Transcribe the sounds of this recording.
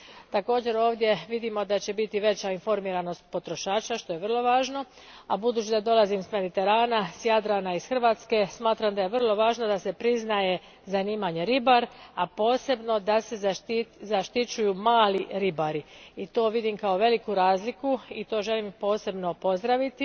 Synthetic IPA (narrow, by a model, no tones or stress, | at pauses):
t̪ako̞ːd͡ʑe̞ɾo̞ːʋd̪je̞ʋid̪imo̞d̪at͡ɕe̞bit̪iʋe̞t͡ɕainfo̞ɾmiːɾano̞st̪̚po̞t̪ɾo̞ʃaːt͡ɕaʃt̪o̞jeʋər̩lˠo̞ʋaːʒno̞ | abud̪uːt͡ɕid̪ad̪o̞lazimsme̞d̪it̪e̞ɾaːnasjad̪ɾanaisxr̩ʋaːt̪ske̞smaːt̪ɾamd̪ajeʋər̩lˠo̞ʋaːʒnod̪ase̞pɾiznaje̞ | zaniːmaɲe̞ɾibaɾapo̞ːse̞bno̞d̪ase̞zizaʃt̪it͡ɕujumaːliɾibaɾiit̪o̞ːʋid̪imkao̞ʋe̞likuɾaːzlikuit̪o̞ːʒe̞limpo̞ːse̞bno̞po̞zd̪ɾaʋit̪i